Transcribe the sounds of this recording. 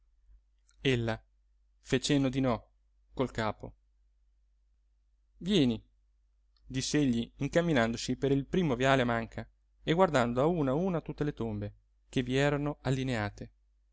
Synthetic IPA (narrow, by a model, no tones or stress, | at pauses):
elːa | fet͡ʃenːod̪inɔ | kolkaːpo̰ | vjɛːni | d̪isːeeʎːiiŋkamːinand̪osipeɾilpɾiːmovjaːleamaŋkʰa | eɡward̪and̪oauːnauːnat̪ut̪ːelet̪ombe | k̟eviɛːɾanoalːineaːt̪e